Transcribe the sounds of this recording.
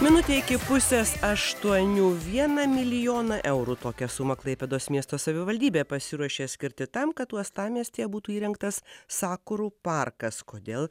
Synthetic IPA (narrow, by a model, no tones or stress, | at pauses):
mʲɪnʊt̪ʲeːɪkʲɪpʊsʲeːsɐʃt̪uɔnʲuːʋʲiɛnɐmʲɪlʲɪjoːnɐʔɛʊɾut̪oːkʲɛsʊmɐklˠɐɪpʲɛd̪oːsmʲiɛst̪oːsɐʋʲɪʋɐlʲd̪ʲiːbʲeːpɐsʲɪɾuɔʃʲeːsʲkʲɪɾʲt̪ʲɪt̪ɐmkɐt̪t̪uɔst̪ɑːmʲiɛsʲt̪ʲeːɛbuːt̪uːiːɾʲɛŋkt̪ɐssɑːkʊɾuːpɐrkɐskoːd̪ʲeːlˠ